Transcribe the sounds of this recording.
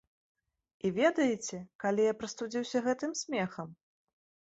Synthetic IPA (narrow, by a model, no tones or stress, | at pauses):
ivʲɛd̪ɐjɛt͡sʲɛkalʲijapɾɐst̪ud͡zʲiwsʲɐɣɛt̪ɨmsʲmʲɛxɐm